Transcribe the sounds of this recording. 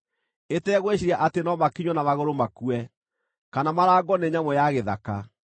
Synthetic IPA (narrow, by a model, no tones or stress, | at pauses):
etɛːɣweɕiɾiaʔatenɔmakiɲwɔnamaɣoɾomakuɛ | kanamaɾaːɡɔneɲamɔjaɣeða̰ka